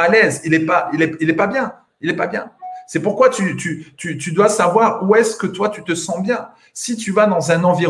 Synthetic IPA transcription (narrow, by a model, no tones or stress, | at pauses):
alɛzilɛpailɛilɛpabjɛ̃ | ilɛpabjɛ̃sɛpuʁkwat̪yt̪yt̪yt̪yd̪wasavwaʁuɛskət̪wat̪yt̪əsɑ̃bjɛ̃ | sit̪yvad̪ɑ̃zɛ̃nɑ̃viʁ